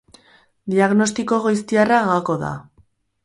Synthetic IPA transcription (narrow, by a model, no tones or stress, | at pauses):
d̪iaɣno̞st̪iko̞ɣojst̪iaraɣako̞ða̰